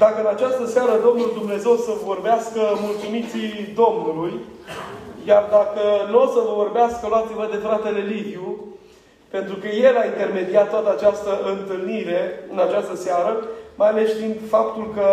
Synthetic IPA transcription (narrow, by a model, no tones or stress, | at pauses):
d̪akəɨnat͡ʃast̪əseaɾəd̪o̞mnuld̪umne̞ze̞wsəvvo̞rbeaskəmult̪sumit̪sid̪o̞mnuluj | jard̪akənosəvəvo̞rbeaskəlwat̪sivəd̪e̞fɾat̪e̞le̞livju | pe̞nt̪ɾukəje̞laint̪e̞rme̞d̪iat̪t̪ːwat̪əat͡ʃast̪əɨnt̪ɨlniɾe̞ɨnat͡ʃast̪əsaɾəmajale̞sʃt̪int̪fap̚t̪ulkə